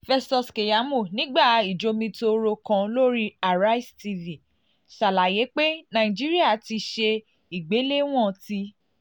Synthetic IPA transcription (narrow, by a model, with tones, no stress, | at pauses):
fɛ˧stɔ˧ske˨ja˨˦mu˦˨nĩ˨˦ɡ͡ba˦˨i˨d͡ʒo˧mĩ˧to˧ɾo˧kã˧lo˦ɾi˦a˨ɾa˦i˦sti˧vĩ˨ | ʃa˨la˨je˨˦k͡pe˦nã˨ĩ˨d͡ʒi˦ɾi˦a˦˨ti˧ʃe˧ | i˨ɡ͡be˨˦le˦w̃ɔ̃˦˨ti˧